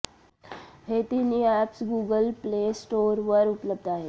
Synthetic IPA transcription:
ɦet̪iːniɛpsɡuːɡəlpleːsʈoːɾʋəɾupləb̚d̪aːɦe

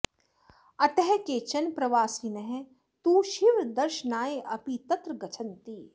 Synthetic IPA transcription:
ɐt̪ɛɦɛkeːt͡ʃɐnpɾɐʋaːsiːnɐɦɛ | t̪uːʃiʋd̪ɐɾʃənaːeʔɐpit̪ɐt̪ɾəɡɐt͡ʃʰɐnt̪iː

